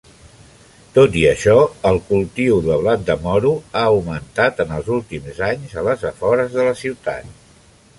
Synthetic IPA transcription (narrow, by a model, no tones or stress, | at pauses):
t̪ot̪iəʃɔəlˠkulˠt̪iuðəβlat̪̚d̪əmɔɾuaəwmənt̪at̪ənəlˠzulˠt̪imzaɲzələzəfɔɾəzðələsiwt̪a̰t̪̚